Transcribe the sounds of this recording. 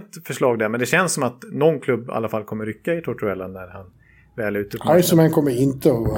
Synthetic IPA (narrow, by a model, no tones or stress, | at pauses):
t̪fœʂɭɑːɡ̚d̪æɾmɛnd̪ɛɕɛnssːɔmat̪nɔnkʰlɵbːa̰lːafalkʰɔmːəɾʏkːaɪt̪ʰɔʈʰɛlːanæɾhan | vɛːlʉ̟ːt̪ɵajsɔmankʰɔmːəɪnt̪əɔ